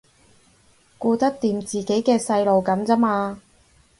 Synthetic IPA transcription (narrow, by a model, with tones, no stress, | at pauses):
kuː˧t̪ɐ˥k̚t̪iː˨˧mt͡siː˨˩ke˨˥jkɛː˧sɐ˧jlo˨wkɐ˨˥mt͡sɐ˥maː˧